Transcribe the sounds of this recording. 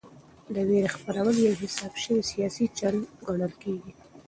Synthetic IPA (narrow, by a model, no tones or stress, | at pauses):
d̪əweɾexpaɾawəljawɦɪsɑbʃəwisijɑsit͡ʃanɡaɽ̃əlkeɡi